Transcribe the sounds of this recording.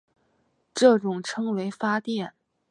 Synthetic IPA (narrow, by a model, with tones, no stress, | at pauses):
ʈ͡ʂɤ˥˩ʈ͡ʂʊ˨˩ŋʈ͡ʂʰɤ˥ŋwe˧˥ɪfa˥t̪jɛ˥˩n